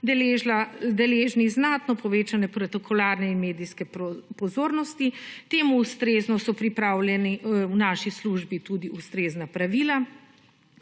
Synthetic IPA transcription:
d̪ɛleʒlad̪ɛleːʒniznaːt̪nɔpɔʋeːt͡ʃanɛpɾot̪ɔkʰɔlaːɾnɛinmeːd̪iskɛpɔzoːɾnɔst̪it̪eːmuːst̪ɾeːznɔsɔpɾipɾaːwlɛniwnaːʃisluʒbit̪ud̪iust̪ɾeːznapɾaʋiːla

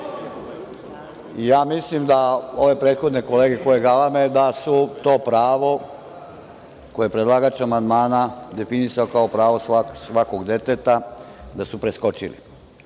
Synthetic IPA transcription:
ijaːmislimd̪ao̞ʋe̞pɾeːd̪xo̞d̪nekole̞ːɡeko̞jeɡalamed̪asut̪o̞ːpɾaːʋo̞ | kojepɾed̪lˠaːɡat͡ɕeamand̪maːnad̪e̞finisaokaopɾaːʋo̞saksʋako̞ɡd̪e̞t̪et̪a | d̪asupɾesko̞t͡ʃḭlḭ

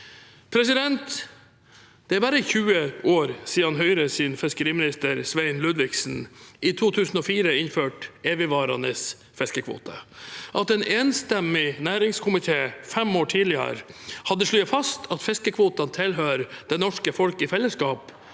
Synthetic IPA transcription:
pʰɾɛsɪd̪ɛnt̪ | d̪̥ɛæɾbæɾəçʉːəoːɾsiːəɑnɦœʏɾəsɪːnfɛskəɾiːmɪnɪst̪əɾsʋæɪnlʉd̪ʋɪksn̩iːt̪ʰuːt̪ʰʉːsn̩ɔfiːɾəɪnføːʈeːʋəʋɑːɾɑ̰nəs | fɛskəkʰʋo̰ːt̪ʰə̰ʔɑt̪ɛːnʔeːnst̪ɛmɪnæːɾɪŋskʰʊmɪt̪ʰeːfɛmoːʈʰiːlɪə̰ɾhɑd̪ːəʂɭyːfɑst̪ʰɑt̪fɛskəkʰʋoːt̪ɑnt̪ʰɪlɦøːɾd̪̥ɛnɔʂkəfɔlkɪfɛlːəskɑːp

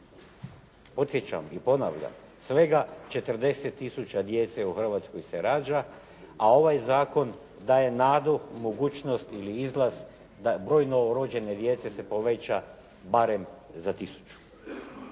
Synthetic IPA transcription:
po̞t̪sje̞t͡ɕa̰mipo̞naʋʎa̰m | sʋe̞ɡat͡ʃe̞t̪r̩d̪e̞set̪ːisut͡ʃad̪je̞t̪seuxr̩ʋat̪skojse̞ɾaːd͡ʒa | ao̞ʋajzaːko̞n | d̪aːje̞naːd̪umoɡuːt͡ʃno̞st̪iliizlˠaz | d̪abɾo̞ːjnoɾod͡ʒe̞ne̞d̪je̞t̪se̞se̞po̞ʋe̞t͡ɕa | baɾe̞mzat̪isu̥t͡ʃu̥

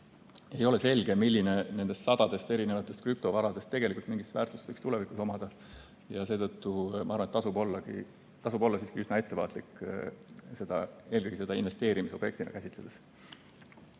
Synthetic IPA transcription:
e̞jo̞le̞se̞lɡ̥e̞milʲːine̞ne̞nd̪e̞st̪sɑd̪̥ɑd̪e̞st̪e̞ɾine̞vɑt̪ːˑe̞st̪̚kɾyp̚t̪o̞vɑɾɑd̪e̞st̪ːe̞ɡ̥elikult̪miŋɡ̥ist̪væːrt̪ˑust̪vɤjkst̪ule̞vikuso̞mɑd̪̥ɑ | jɑse̞ːt̪ɤt̪ːumɑɑːrvɑnet̪ːɑsubo̞lːɑɡḭ | t̪ɑsubo̞lːɑsiːskiysnɑe̞t̪ːe̞vɑ̰ːt̪likː | se̞d̪̥ɑ̰e̞ːlɡɤjɡ̥ise̞d̪̥ɑinve̞st̪e̞ːɾimiseoje̞k̚t̪inʔɑ̰kæsʲit̪le̞d̪̥e̥s

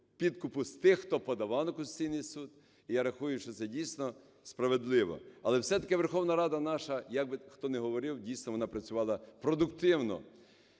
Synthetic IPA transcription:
pʲid̪kʊpʊst̪ɪxxt̪ɔpɔd̪ɐʋɑlnɔkʊsʲt͡sʲijnɪjsud̪ | ijaɾɐxujʊʃt͡ʃɔt̪sɛdʲijsʲnɔ | spɾɐʋed̪lˠɪʋɔ̰ɐlˠɛwsɛt̪ɐkɪʋerxɔwnɐɾɑd̪ɐnɑʃɐjɐɡ̚bɪxt̪ɔnɛɦɔʋɔɾɪwdʲijsʲnɔʋɔnɑpɾɐt͡sʲʊʋɑlˠɐpɾɔd̪ʊkt̪ɪwnɔ̰

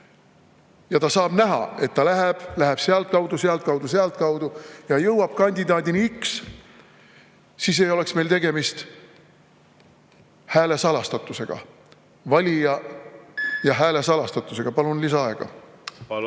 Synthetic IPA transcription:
jɑt̪ɑsɑːb̥næɦɑ̰e̞t̪ːɑlæɦeb̥læɦeb̥seɑlt̪̚kɑwd̪useɑlt̪̚kɑwd̪̥useɑlt̪̚kɑwd̪̥ujɑjɤwɑb̥̚kɑnʲd̪ʲid̪ɑːd̪iniyks | siːs̬e̞jo̞le̞ksme̞jlt̪e̞ɡe̞mist̪ | hæːle̞sɑlɑst̪ɑt̪ːˑuse̞ɡ̥ɑ̰ | vɑlʲijɑ | jɑɦæːle̞sɑlɑst̪ɑt̪ːˑuse̞ɡ̥ɑpɑlunlisɑɑe̞ɡ̥ɑ̰

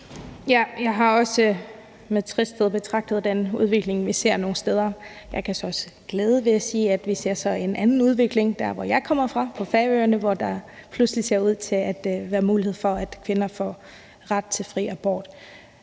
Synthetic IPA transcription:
jæjɑ̈ɪɦɑ̈ɒ̽sə | meðˠt͡sʰʁisd̥eð̩̰ˠb̥e̝t͡sʰʁɑ̈ɡ̥̚d̥əð̞̩ˠd̥enuð̞ˠʋe̝ɡ̥le̝ŋʋise̝ɐ̰no̝ːn̩sd̥eːð̞ˠɐ | jɑ̈ɪkʰæsɒ̽ɒ̽sə̥ | ɡ̥lɛːð̞ˠəʋe̝æsiːæd̥ʋise̝ɐ̰sɒ̽e̝nʔænn̩uð̞ˠʋe̝ɡ̥le̝ŋd̥æɐʋɒjɑ̈ɪkʰɒ̽m̰ɐfʁɑ̈pʰɒ̽fæɐøːɐnəʋɒd̥ɑ̈pʰluslise̝ɐuð̞̰ˠt͡sʰe̝læd̥ʋæːɐmuːlihe̝̰fɒ̽æd̥kʰʋe̝nɐfɒ̰ː | ʁɑd̥̚t͡sʰe̝lfʁḭːæb̥ɒ̰ːd̥

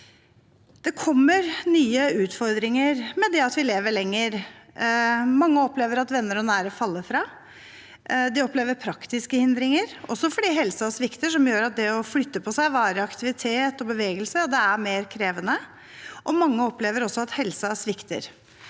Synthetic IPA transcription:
d̪̥ɛkʰɔmːəɾnyːəʉːt̪fɔɾd̪ɾɪŋəɾmɛd̪ɛɑt̪ʋɪleːʋəɭɛŋːəɾ | mɑŋːəɔpleːʋəɾɑt̪ʋɛnːəɾɔnæːɾəfɑlːəfɾɑː | d̪ɪɔpleːʋəɾpʰɾɑkt̪ɪskəhɪnd̪ɾɪŋəɾɔsːɔfɔɖiːɦɛlsəɔsʋɪkt̪əʂɔmjøːɾɑt̪̚d̪ɛɔflʏt̪ːəpʰɔsæɪʋɑːɾəɑkt̪ɪʋɪt̪ʰeːt̪ɔbəʋeːɡəlsəd̪ɛæɾmeːɾkʰɾeːʋənə | ʔɔmɑŋːəɔpleːʋəɾɔsːɔɑt̪hɛlsɑæʂʋɪkt̪ə̰ɾ

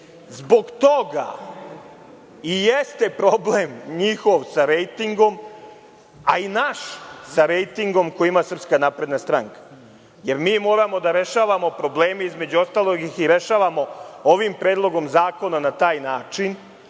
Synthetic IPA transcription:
zbo̞ɡt̪oɡa̰ | ijest̪e̞pɾo̞ble̞mɲixo̞ʋsaɾejt̪iŋɡo̞m | ainaʃsaɾejt̪iŋɡo̞mkojiimasər̩pskanaːpɾe̞d̪nast̪ɾaŋkḁ | jeɾmiːmo̞ːɾamo̞d̪aɾe̞ʃaːʋamo̞pɾo̞bleːmeizme̞d͡ʑuo̞st̪aːlˠoɡixiɾe̞ʃaːʋamo̞oʋimpɾe̞ːd̪lˠo̞ɡo̞mzaːko̞nanat̪aːjnaːt͡ʃin

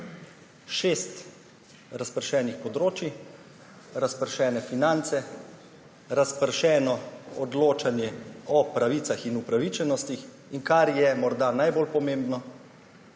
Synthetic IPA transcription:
ʃeːst̪ | ɾaspəɾʃɛːnixpɔd̪ɾoːt͡ʃi | ɾaspəɾʃɛːnɛfinant̪sɛ | ɾaspəɾʃɛːnɔɔd̪loːt͡ʃanjɛɔpɾaʋiːt̪saxinupɾaʋiːt͡ʃɛnɔst̪ix | iŋkaɾjɛmɔɾd̪anajbolpɔmeːmbnɔ

